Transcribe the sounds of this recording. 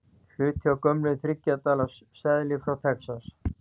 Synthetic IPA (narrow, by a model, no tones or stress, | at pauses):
l̥ʏːt̪ʰjawkœmlɪðθɾɪcːat̪aːlasːɛðlɪfɾawt̪ʰɛksas